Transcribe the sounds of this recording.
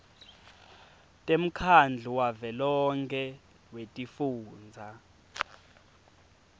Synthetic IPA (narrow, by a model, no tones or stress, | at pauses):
tʼem̩kʰand͡ɮʱuwavɛlɔŋkʰɛ | wetʼifuːnd͡zʱa